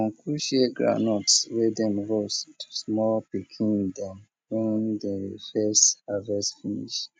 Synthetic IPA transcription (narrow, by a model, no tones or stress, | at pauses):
kɔ̃ŋkʰɹuʃeɡɹa̰nɔtswɛdɛ̃mɹostʰu̥smɔlpikʰĩndɛ̃m | wɛ̃ndɛfɛsthavɛsfinḭʃ